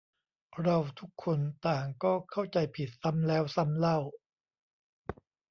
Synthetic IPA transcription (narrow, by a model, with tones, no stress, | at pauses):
ɾa˧wt̪ʰu˦˥kʰːo˧nt̪aː˨˩ŋkɔː˥˩kʰa˥˩wt͡ɕa˧jpʰi˨˩t̪̚sa˦˥mlɛː˦˥wsa˦˥mla˥˩w